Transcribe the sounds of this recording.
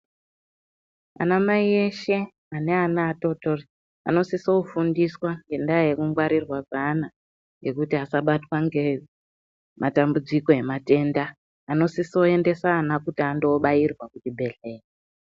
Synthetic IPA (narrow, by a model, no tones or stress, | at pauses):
a̰namaie̞ʃe̞ | ane̞anaːto̞tori | a̰no̞siso̞fundiswaŋɡe̞ndajekuŋɡwaɾirwakana | ŋɡe̞kutiasaɓatwaŋɡe̞ | mʔatambud͡ziko̞e̞mate̞ndaː | no̞siso̞e̞nde̞saːnakutiando̞ɓairwakutibʱe̞ɮe̞ːje